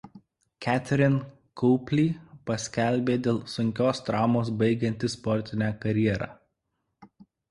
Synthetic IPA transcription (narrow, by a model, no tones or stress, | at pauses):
kʲæt̪ʲɛɾʲɪn | kʰʊːpʲlʲiːpɐsʲkʲɛlʲbʲeːd̪ʲeːlˠsʊŋʲkʲoːst̪ɾɑːmoːs̬bɐɪɡʲɛnʲt̪ʲɪspɔɾʲt̪ʲɪnʲæːkɐɾʲjiɛɾɑ̰ː